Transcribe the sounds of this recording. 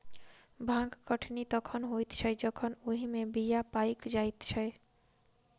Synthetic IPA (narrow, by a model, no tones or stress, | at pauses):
bʱãɡkəʈʰnit̪əkʰənɦojt̪t͡ʃʰɛd͡ʒəkʰənoɦimebijapajkd͡ʒajt̪t͡ʃʰɛj